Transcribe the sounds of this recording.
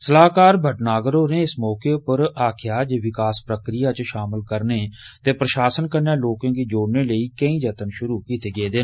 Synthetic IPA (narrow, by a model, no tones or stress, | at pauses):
səlaːkaːɾbʱəʈnaːɡəɾõːneːɪsmɔːkeːʊpəɾaːkʰɪjaːd͡ʒeːʋɪkaːspɾəkɾɪjaːt͡ʃʃaːməlkəɾneːt̪eːpɾəʃaːsənkəɾnaːloːkãːɡiːd͡ʒoːɽneːləiːkəĩːd͡ʒət̪ənʃʊɾuːkiːt̪eːɡeːd̪eː